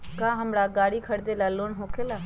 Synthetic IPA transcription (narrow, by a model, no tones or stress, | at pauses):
kãːɦəmɽaɡaːɽikʰəɽd̪elaloːnɦõːkʰela